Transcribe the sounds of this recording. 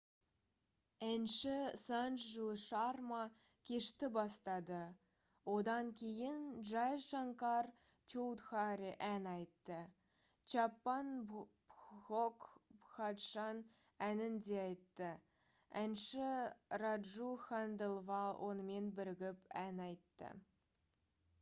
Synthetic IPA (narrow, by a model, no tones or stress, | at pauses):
ænʃɪsɑnʃʒuʃɑrmɑ | kʲʰe̞ʃt̪ɪbɑst̪ɑd̪ə | wo̞d̪ɑŋkʲʰe̞jɪnʒɑjʃɑŋkɑr | t͡ʃowt̪χɑɾiʔænɑjt̪ːə | t͡ʃɑpːɑn | xokχɑt̪ʃɑn | ænɪnd̪eɑjt̪ːə | ænʃɪrɑd̪ʒuxand̪elˠvɑlˠwʔo̞̰nəme̞nbɪɾɪɡʲɪpænɑjt̪ːə̰